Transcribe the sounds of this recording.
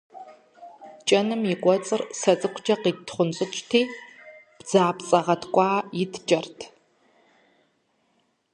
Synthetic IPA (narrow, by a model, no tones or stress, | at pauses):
t͡ʃʼɐnɨmjɪkʷʼɔt͡sʼɨrsɐt͡sʼɨkʷʰd͡ʒɐqiːtʰχʷʊnt͡sʼɨt͡ʃʼtʰiːb̥d͡zaːpt͡sʼɐʁɐtʰkʷʼɑːjɪtʰd͡ʒʼɐrtʰ